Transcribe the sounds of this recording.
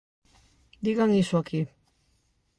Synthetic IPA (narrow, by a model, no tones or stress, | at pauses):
d̪iɣaŋisuakʰi